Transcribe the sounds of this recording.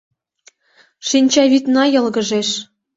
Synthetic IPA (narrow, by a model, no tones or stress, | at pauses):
ʃinʲt͡ɕɑβit̪nɑjɤ̆lɣə̆ʒeʃ